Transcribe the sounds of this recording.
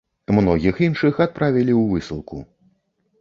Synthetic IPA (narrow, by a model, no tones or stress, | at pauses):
mnɔɣʲixinʂɨxat̪̚pɾavʲilʲiwvɨsɨlˠkṵ